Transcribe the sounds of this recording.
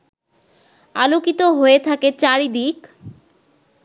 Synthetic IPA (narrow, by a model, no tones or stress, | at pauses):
a̰lokit̪oɦoet̪ʰaket͡ɕaɾid̪ik